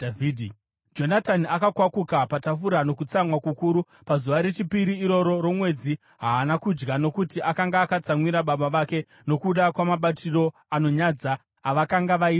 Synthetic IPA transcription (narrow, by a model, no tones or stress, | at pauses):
id | d͡ʒo̞nataniakakwakukapatafuɾano̞kut͡samwakukuːɾu | pazuʋaɾe̞t͡ʃipiɾiːɾo̞ɾo̞ɾo̞mwe̞d͡zi | ɦaːnakud͡ʒɡano̞kutiʔakaŋɡaːkat͡samwiɾaɓaɓaʋake̞ | no̞kuɗakwamaɓatiro̞ | ano̞ɲad͡zaː | ʋakaŋɡaʋaia